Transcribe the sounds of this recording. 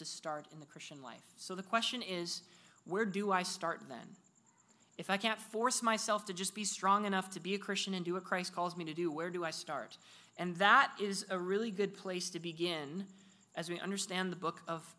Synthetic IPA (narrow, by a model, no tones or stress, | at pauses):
tɨstɑɹɾɨ̃nðɨkʰɹ̥ɪst͡ʃɨ̃nla̰ɪfsoʊðɨkʰw̥ɛst͡ʃɨ̃nɪz̥ | wə˞dəaɪstɑɹt̪̚ðɨ̰̃n | ɨfaɪkʰæ̃ntfɔɹsmaɪsɛlˠftʰɨd͡ʒʌsb̥istɹ̥ɔ̃ŋɨñʌftʰɨbiɨkʰɹ̥ɪst͡ʃɨ̃nɨ̃ndɨwʌt̚kʰɹ̥aɪskʰɔlˠzmiɾɨdɨwə˞dəaɪstɑ̰ɹɾ | ʔɨ̃nðəɾɪzəɹɪlˠiɡʊd̚pʰl̥eɪstʰɨbɨɡɪ̃n | ʔɨzwiʔʌ̰̃ndə˞stæ̃nðəbʊkʰʌv̥